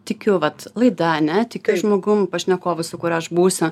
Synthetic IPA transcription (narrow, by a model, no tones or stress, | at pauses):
t̪ʲɪkʲʊʋɐt̪lˠɐɪd̪ɐɐnʲɛt̪ʲɪkʲʊʒmoːɡʊmpɐʃʲnʲɛkoːʋʲɪsʊkʊɾʲɐʃbuːsʲʊ